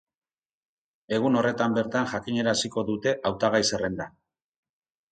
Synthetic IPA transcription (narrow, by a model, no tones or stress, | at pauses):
e̞ɣ̞uno̞re̞t̪ambe̞ɾt̪aŋʝakiɲe̞ɾasiko̞ðut̪e̞ʔawt̪aɣ̞ajse̞re̞nd̪a